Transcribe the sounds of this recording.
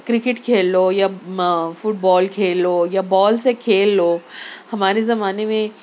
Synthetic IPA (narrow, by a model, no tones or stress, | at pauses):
kɾɪkɪʈkʰeːlːoːjafʊʈ̚bɔːlkʰeːlojabɔːlsekʰeːlːoːhɐmaːɾezɐmaːnemẽ